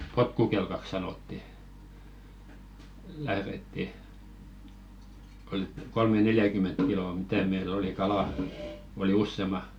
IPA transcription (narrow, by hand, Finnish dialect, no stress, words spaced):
potkukelkɑk sɑnotːi læhretːi ol kolmeneljækyment kiloˑ mitæˑ meil oli kɑlɑˑ oli usːemɑ